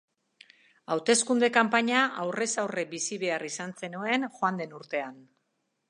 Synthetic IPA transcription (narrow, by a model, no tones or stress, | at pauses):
awt̪e̞skund̪e̞kampaɲaʔawre̞sawrebisiβe̞arisanse̞nue̞nxoand̪e̞nuɾt̪e̞an